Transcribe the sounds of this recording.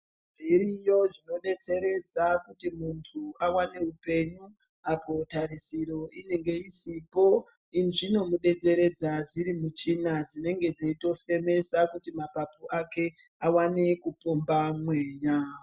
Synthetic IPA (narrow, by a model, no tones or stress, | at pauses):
mbiɾijo̞ʐino̞ɗe̞t͡se̞ɾe̞d͡zakutimuntʰuawane̞upe̞ɲu | apo̞taɾisiɾo̞ine̞ŋɡe̞isipo̞ | inʐino̞muɗe̞d͡ze̞ɾe̞d͡zaʐiɾimut͡ʃinad͡zine̞ŋɡe̞d͡zeito̞fe̞me̞sakutimapapoʔake̞awanekupombamwe̞ːɲa